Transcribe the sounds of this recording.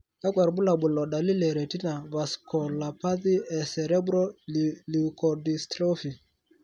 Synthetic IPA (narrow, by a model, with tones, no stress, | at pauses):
ka˦ɡwa˨ɾbu˦la˨bu˨lɔ˨ɗa˨li˦lɛ˨ɾɛ˨ti˦na˨ba˨skɔ˨la˨pa˦ði˦ɛ˨sɛ˨ɾɛ˦bɾɔ˦lli˨kɔ˨di˨stɾo˦fi˨